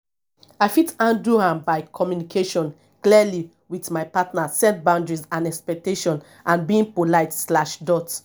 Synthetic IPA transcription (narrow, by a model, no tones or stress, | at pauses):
aɪfitãnduhãmbaɪkʰɔmjunikʰeʃɔ̃n | kliəli | witmaɪpatnasɛ̃ntbãʊ̃ndɹizãnɛkspɛk̚teʃɔ̃n | ʔãnbĩŋpolaɪtslaʃdɔt